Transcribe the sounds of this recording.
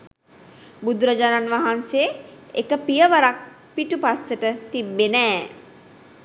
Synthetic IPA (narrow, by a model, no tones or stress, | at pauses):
bud̪ɾəd͡ʒananʋaɦanseekəpijəʋəɾak̚ | piʈupasəʈət̪ibːenɛː